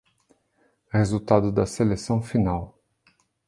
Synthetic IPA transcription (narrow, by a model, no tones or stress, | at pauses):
hezut̪ad̪ʊd̪ɐselesɐ̃w̃finaw